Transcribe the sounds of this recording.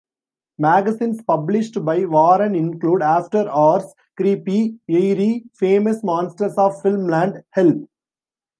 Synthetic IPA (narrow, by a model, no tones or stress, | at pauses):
mæːɡɐsĩːnspɐblɪʃʈbaɪʋɔːɾə̃nɪ̃nkluːɖaːfʈəɾɔːɾs | kɾiːpieɪɾifẽːməsmɔ̃ːnsʈəɾsɔːʋfɪlmlæ̃ɳɖhɛlp